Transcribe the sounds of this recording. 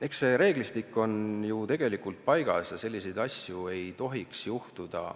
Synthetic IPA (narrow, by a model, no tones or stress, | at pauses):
ekseɾe̞ːɡ̥list̪ikːo̞njut̪e̞ɡ̥e̞likult̪̚pɑjɡ̥ɑ̰sjɑse̞lʲːise̞jd̪ɑsʲjue̞jt̪o̞ɦiksjuht̪ud̪̥ɑ̰